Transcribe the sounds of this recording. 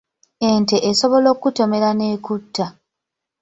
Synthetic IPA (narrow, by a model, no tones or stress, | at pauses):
enteʔːso̞βo̞lo̞ːkːuto̞me̞ɾaneːkutːa